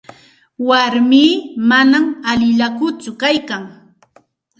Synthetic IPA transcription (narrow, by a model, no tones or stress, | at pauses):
waɾmiːmanamalɪʎakʊt͡sʊkajkaŋ